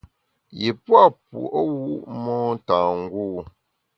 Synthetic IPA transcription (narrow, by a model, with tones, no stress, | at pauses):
je˨pwa˦˨pṵ˨ʔwu˦mɔː˦n̩˦taː˨ŋ̩˦ɡuː˦˨